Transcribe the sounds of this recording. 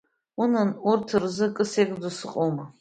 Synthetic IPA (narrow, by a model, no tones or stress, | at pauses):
unanurtʰɨrzɨkʼɨseqʼdusɨqʼoma